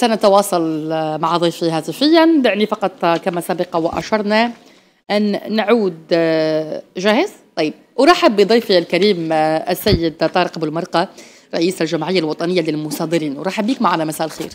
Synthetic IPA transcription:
sænæt̪awɑːsˤɑlmaʕd̪ˤijfiɦæt̪ɪfɪjːanbɪʕnifɑqɑt̪ˤkæmæsæbɑqɑwaʔæ̰ʃɑɾˤnæ | ʔænːʕuːd̪ | ʒæhɪzt̪ˤɑjːb̚wɾˤɑːħɪbːid̪ˤɑjfiælkæɾiːmʔæsːæjːɪd̪t̪ˤɑːɾqbəlmɑɾˤqɑ | ɾˤɑʔiːsælʒæmʕɪjːalwɑt̪ˤɑnəjːalɪlmʊsˤɑːd̪ɨɾiːnwɾˤɑːħɪbːiːkmaʕalæmæsæːʔlxḭːɾ

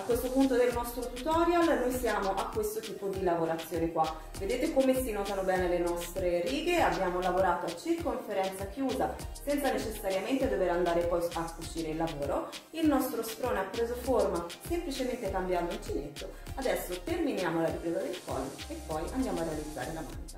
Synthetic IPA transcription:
akːwest̪opunt̪od̪elnɔst̪ɾot̪ut̪ɔɾjalnojsjaːmoʔakːwest̪ot̪iːpod̪ilavoɾat̪sːjoːnekwa | ved̪eːt̪ekomesinɔːt̪anobɛːnelenɔst̪ɾeɾiːɡeabːjaːmolavoɾaːt̪oat͡ʃːirkoɱfeɾɛnt̪sakjuːzasɛnt̪sanet͡ʃesːaɾjament̪ed̪oveɾand̪aːɾepɔjfakut͡ʃiːɾeilːavoːɾo | ilnɔst̪ɾost̪ɾoːnapːɾeːzoformasemplit͡ʃement̪ekambjaːmoint͡ʃinet̪ːo | ad̪ɛsːot̪erminjaːmolaɾipɾeːzad̪elkɔ̰lːo̰epːɔjand̪jaːmoarːealid̪zːa̰ːɾelama̰nt̪a

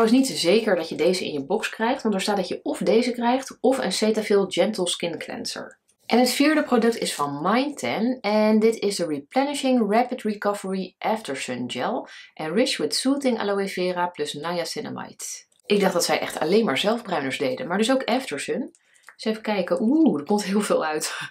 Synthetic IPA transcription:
wɪsnitzejkəɹdɑtjədejzəʔɪ̰̃njəbɔkskrɛjχtʋɑntəɹstaːt̚dɑcjəɔfdejzəkrɛjχtɔfə̰nsejtafɪlˠd͡ʒɛntəlˠskɪnklɛ̰nsə̰ɹ | ʔɛnɦətfiːɹdəprodɵk̚tɪsfɑnmɑjntʰɛnɛndɪtɪsdəɹiplɛnɪʃɪŋɹɛpətɹikɑvəɹiʔɛftəɹsənd͡ʒɛlˠʔɛ̃nɹɪt͡ʃwɪtsutɪŋa̰lowefɪːraplɵsnajasɪnə̰ma̰jt | ʔɪɡ̚dɑχd̥ɑtsɛ̰jʔɛ̰χtɑ̰lejnmaːɹzɛlˠvbrœɥnəɹzdejdənmaːɹdɵs̬owkɛftəɹsən | sɛfəkɛjkəʔudəɹkɔmtɦɪːlˠvɪːlˠœɥt

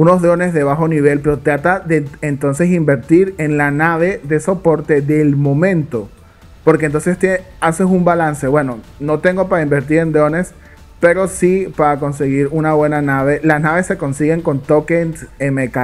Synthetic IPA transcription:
uno̞zðɾo̞ne̞zðe̞β̞axo̞niβ̞e̞lpe̞ɾo̞t̪ɾat̪aðeent̪o̞ns̬e̞simbe̞ɾt̪iɾe̞nlanaβ̞e̞ðe̞so̞po̞ɾt̪e̞ðe̞lmõ̞mẽ̞nt̪o̞ | po̞ɾk̬ent̪o̞nse̞st̪e | ase̞sumbalanse̞βwe̞no̞no̞t̪e̞ŋɡo̞paɾaimbe̞ɾt̪̬iɾe̞nd̪ɾo̞ne̞s | pe̞ɾo̞sipaɾako̞ns̬e̞ɣiɾunaβwe̞nanaβ̞e̞lasnaβesːe̞ko̞nsiɣe̞ŋko̞nt̪okensemeka

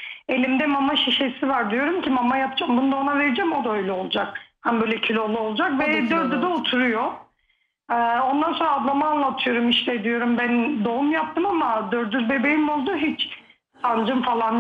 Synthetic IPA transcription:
e̞lʲimd̪ɛmamaʃiʃesivaɾd̪ijo̞ɾumcʲimamajapd͡ʒambund̪aonaveɾid͡ʒɛmo̞d̪aø̞jlʲɛolˠud͡ʒakhænbøːjlʲɛcʰilʲo̞lˠuo̞lˠud͡ʒakvɛd̪øɾd̪yd̪ɛot̪ʰuɾujo | ɛːo̞nd̪anso̞nɾad̪lˠamaːnlˠat̪ʰɯjo̞ɾumiʃlɛd̪ijo̞ɾumbænd̪o̞umjap̚t̪ʰɯmamad̪øɾd̪yzbe̞bejimo̞lˠd̪uɦit͡ʃ | sand͡ʒɯmfalˠan

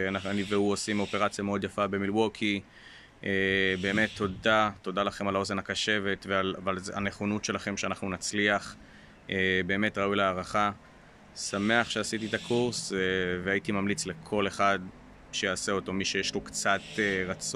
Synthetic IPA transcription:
anaaniveuosimo̞peʁat͡sjameo̞d̪jafabe̞milwokʰi | ʔebe̞ːme̞t̪ʰːo̞dato̞dalaχe̞malo̞zenhakaʃe̞ve̞tvealavalza̰neχonutʃe̞laχe̞mʃeanaχnunat͡sliaχ | ʔebe̞ːme̞tʁaujleaːʁaχa | same̞aχʃeasitietakʰuʁsveaitimamlit͡sle̞kʰo̞le̞χad | ʃejaːseo̞to̞miʃe̞jeʃlokt͡sat̪eʁat͡s

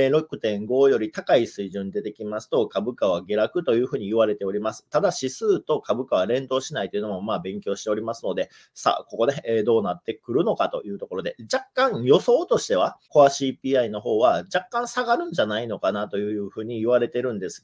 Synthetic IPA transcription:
ɾo̞kɯ̟̥t̪ẽ̞ŋɡo̞ːjo̞ɾʲit̪akaisɨiʑɨ̃nd̪e̞t̪e̞kʲimasɨ̥t̪o̞kabɯ̟kaβ̞aɡe̞ɾakɯ̟t̪o̞jɯ̟ːɸɯ̟ːɲ̟iːβaɾe̞t̪e̞o̞ɾʲimasɨ̥t̪ad̪aɕisɨːt̪o̞kabɯ̟kaβaɾẽ̞nd̪o̞ːɕinait̪o̞iɯ̟nomomaːbẽ̞ŋkʲo̞ːɕi̥t̪e̞o̞ɾʲimasɨno̞d̪e̞ | sa̰ːko̞ko̞d̪e̞ːd̪o̞ːnat̪ːe̞kɯ̟ɾɯ̟no̞kat̪o̞̰jɯ̟ːt̪o̞ko̞ɾo̞d̪e̞d͡ʑakːãɰ̃jo̞so̞ːt̪o̞ɕi̥t̪e̞β̞ako̞aɕiːpʲiːaino̞ɦo̞ːβad͡ʑakːãɰ̃saɡaɾɯ̟̃ɲ̟d͡ʑanaino̞kanat̪o̞jɯ̟ːjɯ̟ːɸɯ̟ːɲ̟iiβaɾe̞t̪e̞ɾɯ̟̃nd̪e̞sɨ̥

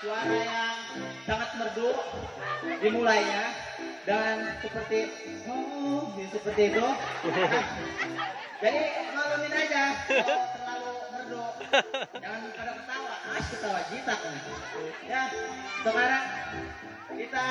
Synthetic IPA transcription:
t͡ʃuaɾajaŋ | saŋat̪̚mərdʊ | dimulajɲa | daŋansəpərt̪i | ɦumuisəpərt̪iːt̪ʊka | d͡ʒadit̪əŋaluminad͡ʒat̪əŋlalumərdu | d͡ʒaŋankadaŋət̪awaakət̪awat͡ʃit̪akan | jasəkaɾaŋ | kit̪a

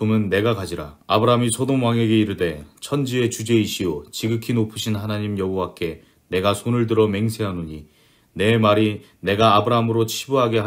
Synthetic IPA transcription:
omɯnːe̞ɡakad͡ʑiɾa̰abɯɾaɦmisʰodoŋwaŋe̞ɡe̞iɾɯde̞t͡ɕʰʌnd͡ʑie̞t͡ɕud͡ʑe̞iɕʰiot͡ɕiɡɯkʰinopʰɯɕʰinhanaɲimjʌɦowak͈e̞ | ne̞ɡasʰonɯɭdɯɾʌme̞ŋsʰe̞ɦanoɲi | ne̞maɾi | ne̞ɡaːbɯɾaɦamɯɾot͡ɕʰibuɦaɡe̞

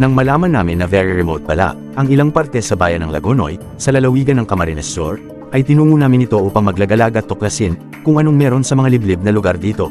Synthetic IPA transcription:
nɐŋmɐlaːmɐnːaːmɪnːɐvɛɹiɹɛmowt̪̚pɐla̰ʔ | ʔɐŋɪlaŋpaɾt̪ɛsɐbaːjɐnːɐŋlɐ̰ɡono̞̰j | sɐlɐlɐwiːɡɐnːɐŋkɐmɐɾɪnɛso̰ɹ | ʔɐjt̪ɪnuːŋunaːmɪnɪt̪o̞ʔupɐŋmɐɡlɐɡɐlaːɡɐt̪ːoklɐsɪn | kʊŋʔɐno̞ŋmɛːɾo̞nsɐmɐŋalɪblɪb̚nɐlʊɡaɾd̪iːt̪o̞̰

